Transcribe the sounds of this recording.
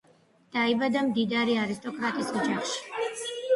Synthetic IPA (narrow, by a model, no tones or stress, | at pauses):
d̪̥aibad̪amd̪id̪aɾiaɾist̪ʼɔkʼɾat̪ʼisɔd͡ʒaχʃi̥